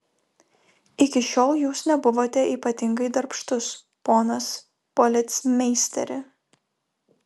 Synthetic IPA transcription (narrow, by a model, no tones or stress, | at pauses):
ɪkʲɪʃʲoːlˠjuːsnʲɛbʊʋoːt̪ʲɛʔiːpɐt̪ʲɪŋɡɐɪd̪ɐɾpʃt̪ʊs | poːnɐs | pɔlʲɪt̪smʲɛɪsʲt̪ʲɛ̰ɾʲɪ